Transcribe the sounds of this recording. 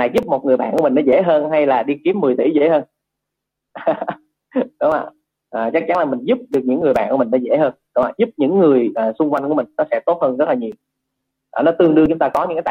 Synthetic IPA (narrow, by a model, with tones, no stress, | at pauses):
a˨˩jzʊ˦˥p̚mo˨˩t̚ŋɨ˨˩jɓa̰ː˧˨kmi̟˨˩nɔ˨˦zḛ˧˥ɦəː˧nɦa˧jlaː˨˩ɗi˧ki˨˦əmːɨ˨˩əjt̪ḭ˧˩zḛ˧˥həː˧n | ɗʊ˨˦ŋ͡mʔa̰ː˧˨ | ʔaː˨˩t͡ɕa˦˥k̚t͡ɕa˨˦nlaː˨˩mï˨˩ŋ̟zu˦˥p̚ɗɨ˨˩ək̚ɲɨ̰˧˥ŋːɨ˨˩əjɓa̰ː˧˨nku˧˩˦mi̟˨˩nɔ˨˦zḛ˧˥ɦəː˧nɗʊ˨˦ŋ͡mʔa̰ː˧˨zu˦˥p̚ɲɨ̰˧˥ŋːɨ˨˩əjʔaː˨˩sʊ˧ŋ͡mkwa˧jŋku˧˩əm˨˩ŋ̟nɔ˨˦sɛ̰˧˥t̪o˦˥t̚həː˧nzə˦˥t̚laː˨˩ɲi˨˩əw | ʔaː˨˩nɔ˨˦t̪ɨ˧əŋɗɨ˧ət͡ɕʊ˨˦ŋ͡mt̪ːkɔ˨˦ɲɨ̰˧˥ŋka̰ː˨˦˧